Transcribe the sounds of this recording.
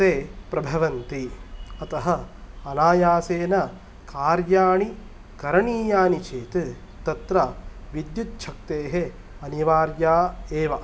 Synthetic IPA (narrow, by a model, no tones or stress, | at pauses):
teːpɾɐbʱɐʋɐnt̪iɐt̪ɐɦɐɐnaːjaːseːnɐ | kaːɾjaːɳi | kɐɾɐɳiːjaːnit͡ʃeːt̪ɨ | t̪ɐt̪ɾɐʋid̪jut̪̚t͡ʃʰɐk̚t̪eːɦe | ɐniʋaːɾjaːeːʋɐ